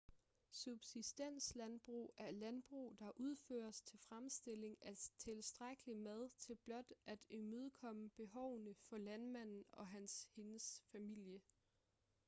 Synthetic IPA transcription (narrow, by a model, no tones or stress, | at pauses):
sub̥sisd̥en̰slænb̥ʁṵːæɐlænb̥ʁṵːd̥ɑ̈ʔuð̞ˠfø̰ːɐst͡sʰe̝lfʁamsd̥e̝le̝ŋæt͡sʰe̝lsd̥ʁaɡ̥əlimæð̞ˠt͡sʰe̝lb̥lɒ̽d̥æd̥emøð̞ˠkʰɒ̽məb̥e̝ɦɒʊnəfɒ̽lænmæn̰n̩ɒ̽ɦænshe̝nəsfæmil̰jə